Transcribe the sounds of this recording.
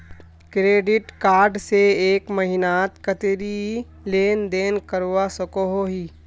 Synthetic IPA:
kɾeːɖɪʈkaːɾɖseeːkmɐɦɪnaːt̪kət̪ɾi | leːnd̪eːnkəɾwasɐkoɦoɦiː

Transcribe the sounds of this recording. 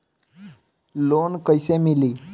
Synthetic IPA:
lonkəjsemiliː

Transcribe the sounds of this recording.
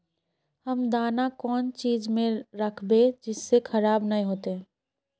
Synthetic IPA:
hɐmd̪aːnakɔːnt͡ʃiːd͡ʒmẽɾɐkʰbed͡ʒɪsːekʰɐɾaːbnɐɦĩɦoːt̪eɦɛ̃ː

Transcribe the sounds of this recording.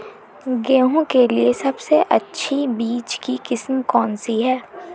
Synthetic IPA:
ɡeːɦõkeliesɐbseʔɐtːʃʰibiːt͡ʃkikɪsmkɔːnsiɦɛː

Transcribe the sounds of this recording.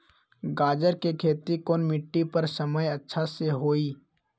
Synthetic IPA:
ɡaːd͡ʒəɾkekʰeːt̪ikoːnmɪʈːipɐɾsɐməjɐtːʃʰaseɦoːiː

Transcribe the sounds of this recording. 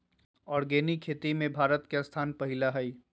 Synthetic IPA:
ɔːɾɡeːnikʰːeːt̪imẽbʱaːɾət̪kest̪ʰaːnpɐɦɪlaɦɛi

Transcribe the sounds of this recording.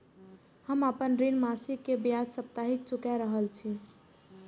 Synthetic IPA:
həməpənɾinmasikːebjad̪səp̚t̪aɦik̚t͡ʃukaɾəɦəlt͡ʃʰi

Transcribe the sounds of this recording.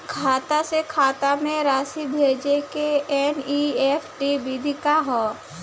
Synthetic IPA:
kʰaːt̪asekʰaːt̪amẽɾaːsibʱeːd͡ʒekeɛniːeːpʰʈibid̪ʱikaɦoː

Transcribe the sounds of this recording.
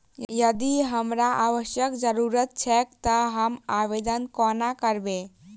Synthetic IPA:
jəd̪iɦəmɾaʔaʋəʃjəkd͡ʒəɾuɾət̪̚t͡ʃʰɛkt̪əɦəmabed̪ənkɔnakəɾbẽ

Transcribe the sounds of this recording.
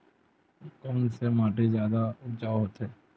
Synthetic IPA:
kɔːnsemaːʈezjaːd̪ad͡ʒaːɦoːt̪eː

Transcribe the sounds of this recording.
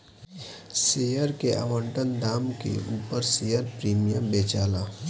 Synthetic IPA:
seːjəɾkeʔa̰ːʋə̃ɳʈənd̪aːmkḛʔuːpəɾsejəɾpɾiːmijəmbeːt͡ʃaːlaː

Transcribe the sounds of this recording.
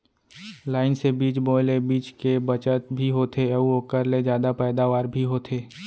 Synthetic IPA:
laːɪnsebiːt͡ʃboːlebiːt͡ʃkebət͡ʃət̪bʱiɦoːt̪ʰeəuoːkəɾled͡ʒjaːd̪apɛːd̪aʋaːɾbʱiɦoːt̪ʰeː

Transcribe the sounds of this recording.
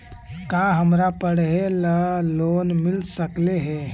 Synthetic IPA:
kãːɦɐmɾapəɽ̤ɦeləloːnmɪlsəkleɦɛː

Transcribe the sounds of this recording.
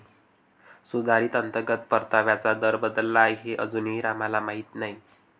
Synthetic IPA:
sud̪ʱaɾiːt̪ənt̪əɡət̪pəɾt̪aʋjat͡sad̪əɾbəd̪əlːaːjɦeʔə̰d͡zuːniːɾamalamaɦit̪naɦi

